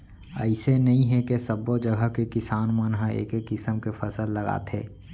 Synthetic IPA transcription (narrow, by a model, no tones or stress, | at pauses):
ɛ̰ɪsenɐɦĩɦɛkesɐbod͡ʒɐɡʱəkekɪsaːnmənɦə̃ḛːkekːɪsəmkefʰɐsəlːɐɡa̰ːt̪ɦḛː